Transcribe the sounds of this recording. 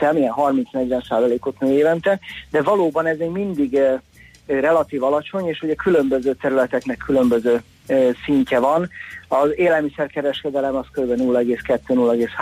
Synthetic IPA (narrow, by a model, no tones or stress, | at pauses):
ɛmijɛnɦɒrmint̪snɛɟʋɛnsaːzɒleːkot̪nɛeːvɛnt̪ɛd̪ɛvɒloːbɒnɛzɛɟmind̪iɡ | rɛlɒt̪iːvɒlɒt͡ʃo̞ɲeːʃuɟɛkylø̞mbøzøːt̪ɛɾylɛt̪ɛknɛkʰːylømbøzøː | siɲcɛvɒnɒzeːlɛlmisɛrkɛɾɛʃkɛd̪ɛlɛmɒskøɾybɛnulːɛɡeːskɛt̪ːøːnuːlːɛɡeːsh